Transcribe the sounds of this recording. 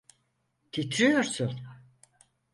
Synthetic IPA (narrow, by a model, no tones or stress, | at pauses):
t̪ʰit̪ʰɾijo̞ɾsun